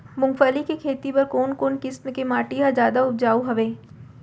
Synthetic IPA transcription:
mʊ̃ŋɡfəlikekʰeːt̪ipɐɾkoːnkoːnkɪsmkemaːʈijazjaːd̪aʊb̚d͡ʒaːoɦɐʋeː

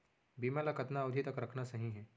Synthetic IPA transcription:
biːmalakət̪naʊd̪ʱit̪ɐkɾɐkʰnasɐɦĩɦɛː

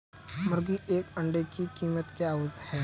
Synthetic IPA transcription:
mʊɾɡiʔeːkɐ̃ɳɖekikiːmət̪keaːoːzhɛː

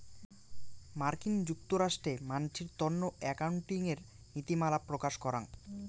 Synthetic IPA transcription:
maɾkiŋd͡ʑuk̚t̪oɾaʃʈɾemant͡ɕʰiɾt̪ɔnːoɛkauɳʈiŋeɾ | nit̪imalapɾokaʃkɔɾa̰n

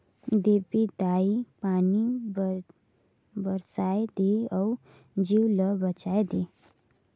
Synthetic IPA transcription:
d̪epid̪aipani | bəɾsajd̪eəw | d͡ʑiwləbət͡ɕajd̪e

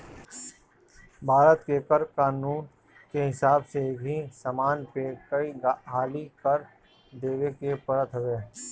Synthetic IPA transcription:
bʱaːɾət̪kekəɾkaːnuːn | keɦɪsaːbsekɦisaːmaːnpekɐiɦaːlikɐɾ | d̪eːʋekepɐɽət̪ɦoʋeː

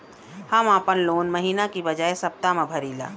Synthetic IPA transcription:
hɐmaːpənloːnmɐɦiːnakibɐd͡ʒaːesɐp̚t̪amẽbʱɐɾiːla̰ː

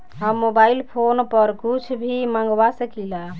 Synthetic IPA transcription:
ɦəmːobailpʰonpəɾkut͡ʃʰbʱimãŋɡwasəkila

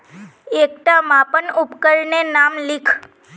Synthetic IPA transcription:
ek̚ʈ̪amãpənʊpkəɾnenamlɪkʰ

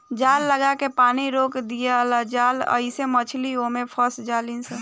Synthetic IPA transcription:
d͡ʒaːlːəɡakepaːniɾoːkd̪ijalad͡ʒaːlə̰ɪsemət͡ʃʰliomẽpʰəsd͡ʒalinse

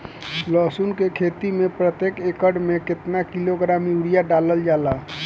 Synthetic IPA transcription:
lɔsunkekʰet̪imepɾət̪jekekəɽmekɪt̪nakiloɡɾamuɽijaɖaləld͡ʒaːla

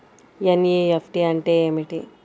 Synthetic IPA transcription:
jenijeepʈiɐɳʈeːeːmiʈi

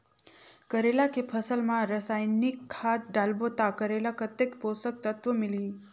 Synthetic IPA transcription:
kəɾelakepʰəsəlmãɾəsajnikʰːat̪̚ɖalbot̪akəɾelakət̪ːekposək̚t̪ət̪ʋəmili

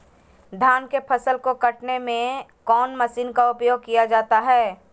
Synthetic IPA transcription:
d̪ʱjaːnkepʰɐsəlkokɐʈnemẽkɔːnmɐsiːnkaʊpjoːɡ̚kijad͡ʒaːt̪aɦɛː

